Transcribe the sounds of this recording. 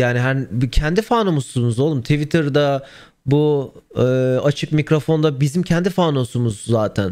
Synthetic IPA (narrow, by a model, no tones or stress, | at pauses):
jaːniɦæncʰɛnd̪ifaːnomosumuzolˠumt̪ʰivit̪ʰɯɾd̪a | bu | ɯːat͡ʃʰɯk̚micɾo̞fo̞nd̪abizimcʰɛnd̪ifaːnosumuzzːaːt̪ʰæn